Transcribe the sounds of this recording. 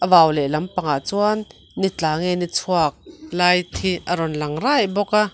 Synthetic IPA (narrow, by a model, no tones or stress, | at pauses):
ʔəvaːwlɛlɐmpaŋa̰ʔt͡suanː | it͡ɬaːŋenit͡sʰuak̚laːjt̪ʰiʔəɾɔnlɐŋrajbɔka